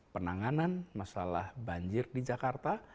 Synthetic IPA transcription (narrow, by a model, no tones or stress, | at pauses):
pənaŋananmasala̰hbaɲd͡ʒɪrdid͡ʒakart̪a